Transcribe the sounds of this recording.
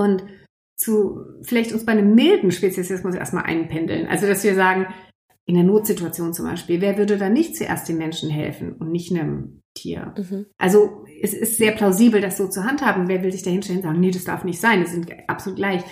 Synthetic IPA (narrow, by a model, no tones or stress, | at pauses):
ʔʊnt | t͡sufɪlaɪçtʊnsb̥aɪnəmːɪldn̩ʃpeːt͡sjɛsjɛsmʊsḛɐstma̰lʔa̰ɪnnpʰɛndl̩nʔa̰lzod̥asviːɐzaːɡŋ̩ | ʔɪndeːɐnoːtz̥ɪtuat͡sjoːnt͡sʊmba̰ɪʃpiːlveːɐvʏɐdədaːnɪçt̚t͡suʔḛːɐstd̥eːmɛnʃn̩ɦɛ̰lfn̩ʊntnɪçtnəm | tʰḭːɐʔa̰lzo | ʔɛsɪstz̥eːɐpʰl̥aʊziːbl̩dasz̥oːt͡suːɐɦanthaːbm̩veːɐvɪlzɪçd̥aːhɪnʃtɛlənzaːɡŋ̩nedasd̥a̰ɐfnɪçtz̥aɪnviz̥ɪntʔa̰psoluːt̚ɡ̥laɪç